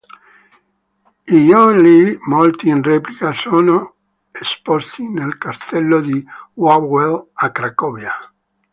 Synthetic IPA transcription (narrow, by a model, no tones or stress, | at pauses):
ijɔlimolt̪iːnreːplikasoːno | espost̪inelkast̪ɛlːod̪iwawelakɾakɔːvja